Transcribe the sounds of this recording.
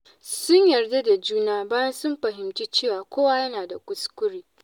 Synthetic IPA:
sʊ˦ɲjɐ˨rda˦da˨d͡ʒuː˦naː˦baː˦jɐ˦nsʊ˦mɸɐ˨ɦɪ˨mt͡ʃi˦t͡ʃeː˦˨waː˨kʷoː˦wa˦jɐ˦naː˨da˨kʷʊ˦skʷʊ˦ɽiː˦

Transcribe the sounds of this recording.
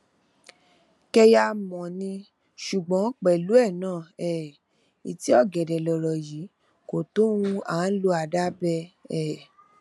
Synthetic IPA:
kɛ˧ja˧mɔ̃˨nĩ˧ | ʃu˨ɡ͡bɔ̃˨˦k͡pɛ˨lu˨˦ɛ˦˨nãː˦˨ɛ˦˨ | i˨ti˨˦ɔ˦˨ɡɛ˨dɛ˨lɔ˨ɾɔ˨ji˨˦ | ko˨to˦wũ˧a˨˦lo˧˦a˧˨da˦bɛ˧ɛ˦˨

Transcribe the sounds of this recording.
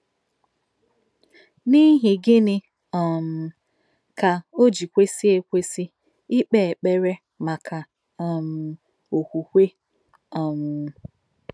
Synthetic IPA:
ni˦ɦɪ˨ɡɪ˦nɪ˦ | ɔ˨m̩˨ | ka˨o˦d͡ʒi˨kʷe˦si˦e˦kʷe˦si˦ | ɪ˦k͡pe˨e˨k͡pe˦ɾe˦ | ma˨ka˨ | m̩˨ | o˨kʷu˨kʷe˦ | ɔ˨m˨

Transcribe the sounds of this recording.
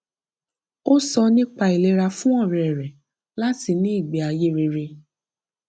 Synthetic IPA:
o˦sɔ˧nĩ˦k͡pa˧i˨le˧˦ɾa˧fũ˦ɔ˦˨ɾɛ˨ɛ˨ɾɛ˨ | la˦ti˧nĩ˦i˦˨ɡ͡bi˨a˧je˦ɾe˧ɾe˧

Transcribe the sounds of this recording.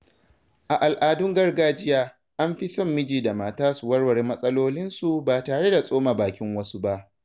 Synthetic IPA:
ʔa˨ʔa˨lʔaː˨dʊ˦ŋɡɐ˦rɡaː˦d͡ʒɪ˦jaː˦ | ʔa˦mɸi˦sɔ˦˨mːɪ˦d͡ʒiː˨da˨maː˨taː˦su˨wɐ˦ɽwɐ˨ɽeː˦mɐ˦sʼɐ˦loː˦lɪ˦nsu˨baː˨taː˨ɽe˦da˨sʼoː˦maː˨baː˨kʲɪ˦ŋwɐ˦su˦ba˦ʔ

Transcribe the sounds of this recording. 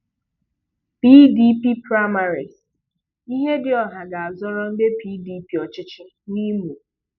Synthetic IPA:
pi˦di˦pi˦pɾa˦ma˨ɾi˨s | i˦ɦe˦dɪ˦ɔ˨ɦa˨ɡa˨a˨zɔ˦ɾɔ˦m̩˦be˦pi˦di˨˦pi˨ɔ˨t͡ʃɪ˦t͡ʃɪ˦ | ni˦mu˨

